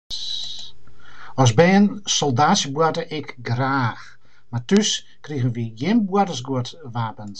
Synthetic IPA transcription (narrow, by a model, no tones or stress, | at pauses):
ɔsbɛːənsɔlˠdaːsjəbuətəʔɪkɡraːx | matys | kriɣəʋiəjɪnbuətəsɡuətʋaːpən